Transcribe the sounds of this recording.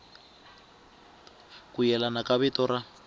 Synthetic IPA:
kujɛlanakaβitɔɾa

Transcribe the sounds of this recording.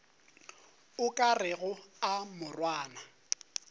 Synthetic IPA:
ʊkʼarɪɣʊamʊrwaːna

